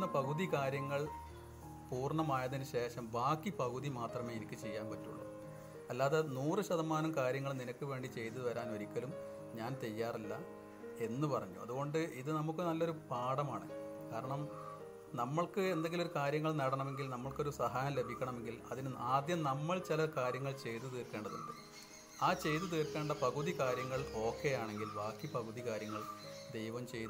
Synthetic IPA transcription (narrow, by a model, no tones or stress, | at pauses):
ɐpɐɣuðikaːɾjɐŋːɐɭ | puːrɳɐmaːjɐðinɨɕe̞ːɕɐmbaːkːipɐɣuðimaːt̪rɐme̞ːenikʲːɨt͡ɕe̞jːaːnpɐtːṵɭːɐ̰ | ɐlːaːðenuːrɨɕɐðɐmaːnumkaːɾjɐŋːɐɭninɐkʲːɨʋe̞ːɳɖit͡ɕe̞jt̪ɨðɨʋɐɾaːnoɾikʲːɐlum | ɲaːnt͡ɕe̞jːaːrɐlːɐ | e̞nːɨpɐrɐɲːṵɐ̰ðuɣo̞ɳɖɨiðɨnɐmukːɨnɐlːo̞ɾupaːɽɐmaːɳɨ̰ | kaːɾɐɳɐm | nɐmːɐɭkɨe̞nd̪e̞ŋɡilo̞ɾukaːɾjɐŋːɐɭnɐɽɐɳɐme̞ŋɡilnɐmːɐɭko̞ɾusɐɦaːjɐmle̞bʱikʲːɐɳɐme̞ŋɡilɐðinɨaːd̪jɐmnɐmːɐɭt͡ɕilɐkaːɾjɐŋːɐɭt͡ɕe̞jt̪ːɨt̪iːrkːe̞ːɳɖɐðṵɳɖɨ | aːt͡ɕe̞jt̪̬ɨt̪iːrkːe̞ːɳɖɐpɐɣuðikaːɾjɐŋːɐɭo̞ːkːe̞jaːɳe̞ŋɡilʋaːkːipɐɣuðikaːɾjɐŋːɐɭd̪e̞jʋɐmt͡ɕe̞jt̪